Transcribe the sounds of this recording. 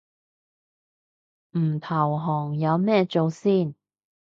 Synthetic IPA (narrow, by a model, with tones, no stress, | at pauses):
m̩ː˨˩t̪ʰɐ˨˩wɦɔː˨˩ŋjɐ˨˧wmɛː˥˧t͡so˨˧wsiː˥˩n